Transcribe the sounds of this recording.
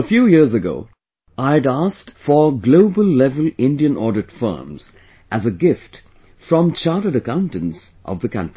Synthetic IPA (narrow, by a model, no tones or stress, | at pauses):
əfjuːjɪɹzɨɡo̰ʊ | ʔaɪɨɾæstfə˞ɡloʊbəlˠːɛvəlɪ̃ndiɨ̃nʔɔɹɾɨtfɜ̰ː˞mz̥ | ʔæzəɡɪft | fɹʌ̃mt͡ʃʰɑːɾəɾəkãʊ̃ntɨ̃nsʔʌ̰vðɨkʰʌ̰̃ntɹi